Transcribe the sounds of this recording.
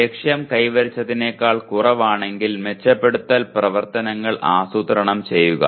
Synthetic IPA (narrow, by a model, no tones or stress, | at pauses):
ekʂjɐmkɐjʋɐɾit͡ɕːɐðine̞ːkːaːɭkurɐʋaːɳe̞ŋɡilme̞t͡ɕːɐpːe̞ɽut̪ːɐlprɐʋɐrt̪ɐnɐŋːɐɭʔa̰ːsut̪ɐɾɐɳɐmt͡ɕe̞jːuɣɐ̰